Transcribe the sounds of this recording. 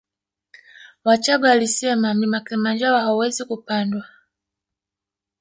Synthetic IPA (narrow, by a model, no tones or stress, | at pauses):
wat͡ʃaɡwalisɛmam̩imakilimand͡ʒawahauwɛzikupandwa